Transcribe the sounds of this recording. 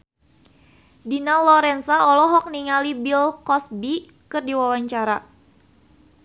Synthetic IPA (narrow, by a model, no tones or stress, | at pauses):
dinalɔɾɛnsaɔlɔɦɔk̚niŋalibilkɔsbi | kɨrdiwawaɲt͡ʃaɾa